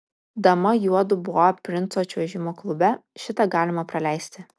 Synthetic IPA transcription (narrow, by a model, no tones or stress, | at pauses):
d̪ɐmɐjuɔd̪ʊbʊʋoɐpʲɾʲɪnt̪soːɐt͡ʃʲʋʲɛʒʲɪmoːklˠʊbʲɛʃʲɪt̪ɐɡɑːlʲɪmɐpɾɐlʲæˑɪsʲt̪ʲɪ